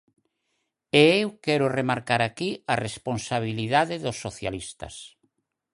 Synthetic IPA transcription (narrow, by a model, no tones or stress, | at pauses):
eewkɛɾʊremaɾkaɾakiaresponsaβ̞iliðaðeðosːoθja̰list̪ɐ̰s